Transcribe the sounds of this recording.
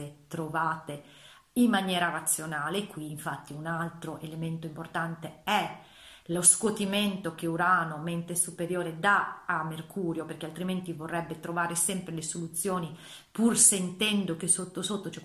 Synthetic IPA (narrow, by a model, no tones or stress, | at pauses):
et̪ɾovaːt̪e | imːanjɛːɾarat̪sːjonaːlekwiːɱfat̪ːiunalt̪ɾoʔelement̪oimport̪ant̪eɛ | loskot̪iment̪ok̟euɾaːnoment̪esupeɾjoːɾed̪aamːerkʰuːɾjoperkealt̪ɾiment̪ivorːɛbːet̪ɾovaːɾesɛmpɾelesolut̪sːjoːni | pursent̪ɛnd̪ok̟esot̪ːosot̪ːot͡ʃɛ